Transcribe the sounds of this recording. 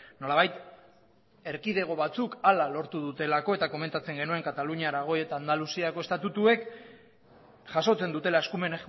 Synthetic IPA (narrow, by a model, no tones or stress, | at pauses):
no̞laβajt̪ | e̞ɾkiðe̞ɣ̞o̞βat͡sukalalo̞ɾt̪uð̞ut̪e̞lako̞e̞t̪ako̞me̞nt̪at͡se̞ŋɡe̞nue̞ŋkat̪aluɲiaɾaɣ̞o̞je̞t̪aːnd̪alusiako̞e̞st̪at̪ut̪ue̞k | ʝaso̞t͡se̞nd̪ut̪e̞lae̞skume̞ne